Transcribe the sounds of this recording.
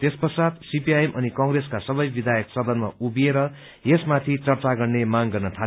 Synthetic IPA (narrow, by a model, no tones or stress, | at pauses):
t̪espʌsad̪sipiajemʔʌnikʌŋreskasʌbʌjbid̪ʱajʌksʌd̪ʌnma̰ubieɾʌ | esmat̪ʰit͡sʌrt͡saɡʌrnemaŋɡʌrnʌt̪ʰa